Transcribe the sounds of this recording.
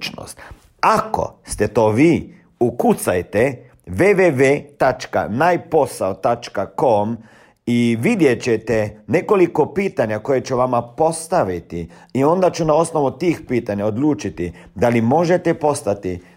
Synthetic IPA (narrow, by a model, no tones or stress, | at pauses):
t͡ʃno̰st̪ | ako̰st̪et̪o̞ːʋiː | ukut̪sajt̪e | ʋeʋeʋeːt̪at͡ʃka̰najpo̞saot̪at͡ʃkako̞m | iʋid̪je̞t͡ɕet̪ene̞ko̞liko̞piːt̪aɲako̞jet͡ʃuʋamapo̞st̪aʋit̪i | io̞nd̪at͡ʃunao̞sno̞ʋut̪iːxpiːt̪aɲaod̪luːt͡ʃit̪id̪alimo̞ʒet̪ɛpo̞st̪at̪i